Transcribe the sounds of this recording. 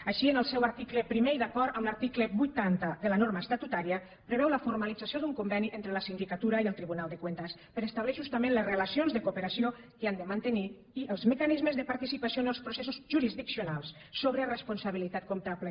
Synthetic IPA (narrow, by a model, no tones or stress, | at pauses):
aʃiənəlˠsɛwaɾt̪ikləpɾimejðakɔɾt̪əmlaɾt̪ikləbujt̪ant̪əðəlanoɾmast̪at̪ut̪aɾiə | pɾəβɛwləfuɾmalid͡zasiod̪uŋkumbɛniʔent̪ɾələsind̪ikat̪uɾaiəlˠt̪ɾiβunalˠd̪əkwent̪əspəɾəst̪aβlɛʒust̪amẽnləzrəlasionzðəkupəɾasio | kəand̪əmant̪əni | iʔəlˠzməkanizməzðəpaɾt̪isipasionəlˠspɾosesuzʒuɾizðiksionalˠs | soβɾərəspunsaβilit̪at̪̚kumt̪aβlə